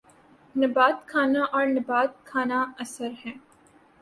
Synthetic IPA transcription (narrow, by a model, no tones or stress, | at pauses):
nɪbaːt̪kʰaːnaʔɔːɾnɐbaːt̪̚kʰaːnaɐsəɾɦɛ̃ː